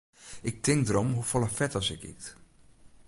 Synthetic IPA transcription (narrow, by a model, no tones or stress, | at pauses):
ɪk̚tɪŋdəɾɔmɦufɔlˠafɛtɔsɪkḭt